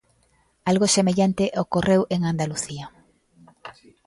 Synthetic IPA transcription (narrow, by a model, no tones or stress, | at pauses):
alɣosemeʎant̪eʔokorewʔeŋand̪aluθia